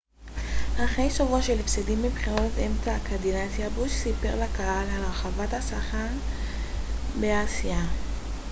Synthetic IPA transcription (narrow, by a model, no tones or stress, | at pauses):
haχejʃovuaʃelefsedimːibχiʁotemtakʰadinasjabuʃsipe̞ʁlakahalalʁaχavathasaχaʁ | beasija